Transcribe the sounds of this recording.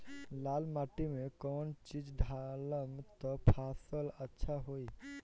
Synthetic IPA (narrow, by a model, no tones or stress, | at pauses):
laːlmaʈimekɔːnt͡ʃid͡ʒɖʱaləmt̪ɔpʰasələtːʃʰaɦoi